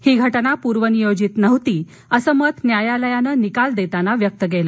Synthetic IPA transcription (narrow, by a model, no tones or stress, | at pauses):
hiːɡʱəʈnapuɾʋənijod͡ʑit̪nəʋt̪iː | əsəmət̪njajaləjanəːnikald̪et̪anaʋjək̚t̪əɡelə